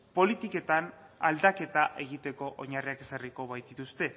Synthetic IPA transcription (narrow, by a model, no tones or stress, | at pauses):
po̞lit̪ike̞t̪anald̪ake̞t̪aʔe̞ɣ̞it̪e̞ko̞ʔoɲariake̞sariko̞βajt̪d̪it̪ust̪e̞